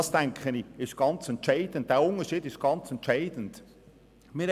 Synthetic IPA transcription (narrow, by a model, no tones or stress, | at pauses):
ɑsd̥ɛŋkʰχənɪɪst̚ɡ̥ɑnt͡sɛntt͡ʃaɪd̥ən̩t̚d̥eːʊŋəʃiːdɪʃt̚ɡ̥ɑnt͡sɛntʃaɪd̥ən̩t | miːɾ